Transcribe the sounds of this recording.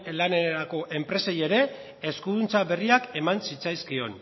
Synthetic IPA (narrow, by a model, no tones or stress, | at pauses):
lane̞ɾako̞ʔe̞mpɾe̞seje̞ɾe̞ | eskuðunt͡saβe̞riake̞mansit͡sajskio̞n